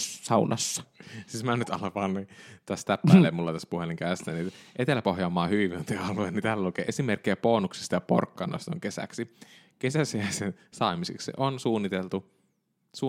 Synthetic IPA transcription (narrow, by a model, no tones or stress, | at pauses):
sɑunɑsːɑ̥sismænyt̪ɑ̰lɑpɑːnnit̪æst̪æpːællːemulːɑt̪æspuheliŋkæːˑst̪æniʔet̪elæpohjɑːmːɑːhyʋiʋiut̪iɑluennit̪æːllukḛʔesimerkːejæpoːnuksi̥st̪ɑjɑpo̰rkːɑnːo̰ist̪o̰ŋkesæ̰ksi | kesæseæsen | sɑːmisḛksḭʔonsuːnːit̪elt̪u | suː